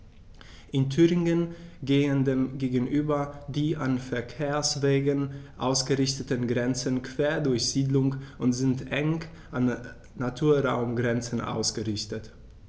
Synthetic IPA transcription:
ʔɪntʰyːʁɪŋənɡeːəndeːmɡeːɡn̩ʔyːbɐdiːʔanfɛɐkʰeːɐsv̥eːɡənʔaʊsɡ̥əʁɪçtətənɡʁɛnt͡sənkv̥eːɐdʊɐçz̥iːdlʊŋʔʊntz̥ɪntʔɛŋ | ʔanː | atʰuːɐʁaʊmɡʁɛnt͡sən̩ʔa̰ʊsɡ̥əʁɪçtət

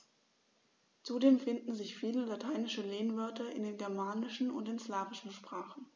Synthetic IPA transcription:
t͡sudeːmfɪndn̩zɪçfiːləlatʰaɪnɪʃəleːnvœɐtɐɪ̰ndeːnɡɛɐmaːnɪʃn̩ʊ̰ntdeːnslaːvɪʃn̩ʃpʁ̥aːχn̩

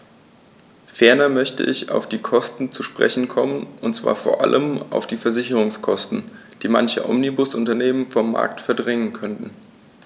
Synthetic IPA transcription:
fɛɐnɐmœçtə̰ʔɪça̰ʊfd̥iːkʰɔstn̩t͡suʃpʁ̥ɛ̰çn̩kʰɔmənʔʊntt͡sv̥a̰ːɐfoːɐʔa̰lʔəma̰ʊfd̥iːfɛɐzɪçəʁʊŋskʰɔstn̩ | d̥iːma̰nçə̰ʔɔ̰mnibʊsʔʊntɐneːmənfɔmːa̰ːɐk̚tfɛɐdʁɛŋənkʰœntn̩

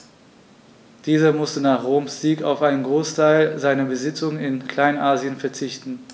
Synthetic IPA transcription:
d̥iːzɐmʊstənaːχʁoːmsz̥iːka̰ʊfʔaɪnənɡʁoːstʰaɪlzaɪnɐbəzɪt͡sʊŋɪnkʰl̥aɪnʔaːziənfɛɐt͡sɪçtn̩

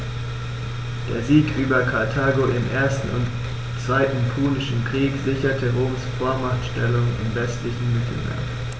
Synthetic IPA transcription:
d̥ḛːɐziːkʔyːbɐkʰaɐtʰaːɡoʔɪmʔeːɐstn̩ʊ̰nt | t͡sv̥aɪtn̩pʰuːnɪʃn̩kʁ̥iːkz̥ɪçɐtʰəʁoːmsfoːɐmaʁtʃtɛlʊŋɪ̰mvɛstlɪçn̩mɪtʰl̩mḛːɐ

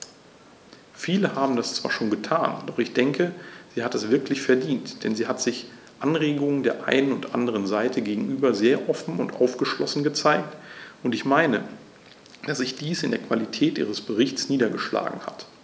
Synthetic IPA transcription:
fiːləhaːbm̩dast͡sv̥a̰ːɐʃoːnɡətʰaːnd̥ɔχɪçd̥ɛŋkʰəz̥iːhatɛsv̥ɪɐklɪçfɛɐdiːntd̥ɛnziːɦatz̥ɪç | ʔanʁeːɡʊŋəndeːɐʔa̰ɪnənʊntʔa̰ndəʁ̞ənzaɪtʰəɡeːɡŋ̩ʔyːbɐzeːɐʔɔfn̩ʊntʔa̰ʊfɡ̥əʃlɔsn̩ɡət͡saɪk̚tʔʊntɪçmaɪnə | d̥asz̥ɪçd̥iːsɪndeːɐkv̥alitʰɛːtʔḭːʁ̞əsb̥əʁɪçt͡sniːdɐɡəʃla̰ːɡŋ̩ha̰t

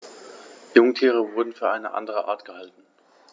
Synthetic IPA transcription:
jʊŋtʰiːʁ̞əvʊɐdn̩fyːɐʔaɪnəʔa̰ndəʁəʔa̰ɐtɡ̥əhaltn̩

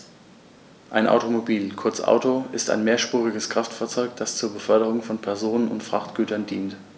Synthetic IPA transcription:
ʔaɪnʔa̰ʊtomobiːlkʰʊɐt͡sʔa̰ʊtoʔɪsta̰ɪnmeːɐʃpuːʁ̞ɪɡəskʁ̥aftfaːɐt͡sɔʏkd̥ast͡suːɐbəfœɐɾəʁ̞ʊŋfɔnpʰɛɐzoːnənʊ̰ntfʁ̥aχtɡ̥yːtɐndiːnt

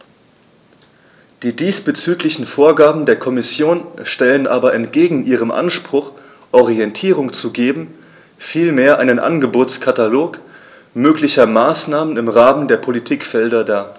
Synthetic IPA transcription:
d̥iːdiːsb̥ət͡syːklɪçn̩foːɐɡaːbm̩deːɐkʰɔmɪsjoːnʃtɛlənʔaːbɐʔɛnt̚ɡ̥eːɡŋ̩ʔiːʁ̞əmʔa̰nʃpʁ̥ʊχ | ʔɔʁiɛntʰiːʁ̞ʊŋt͡suɡeːbm̩ | fiːlmeːɐʔaɪnənʔa̰nɡəboːt͡skʰataloːk | møːklɪçɐmaːsnaːmənɪmʁaːməndeːɐpʰolitʰiːkfɛldɐdaː

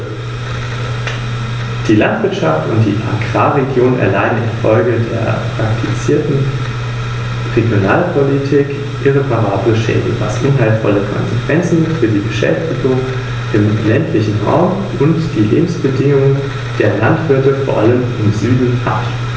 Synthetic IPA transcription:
d̥iːlantv̥ɪɐtʃaftʊnt̚d̥ḭːʔa̰ɡʁ̥aːʁeɡjoːnʔɛ̰ɐlaɪdn̩ɪ̰nfɔlɡədḛːɐpʁ̥aktʰit͡siːɐtn̩ | ʁeɡjonaːlpʰolitʰik | ʔɪʁ̞epʰaʁ̞aːbləʃɛ̰ːdəvasʔʊnɦaɪlfɔ̰ləkʰɔ̰nzekv̥ɛnt͡sn̩fyːɐdiːbəʃɛ̰ftɪɡʊŋ | ʔɪmlɛntʰlɪçn̩ʁa̰ʊm | ʔʊntd̥iːlḛːbm̩sb̥ədɪŋʊŋ | d̥eːɐlantv̥ɪɐtəfoːɐʔaləmɪmzyːdn̩ha̰t

